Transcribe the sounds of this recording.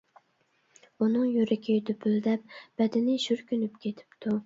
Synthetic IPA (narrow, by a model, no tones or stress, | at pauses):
unɨŋjyɾɪkʲʰid̪ypʰyld̪ɛp̚b̥ɛd̪ɪnɪʃyɾkʲynypkʲʰet̪ʰɪ̥pt̪ʰu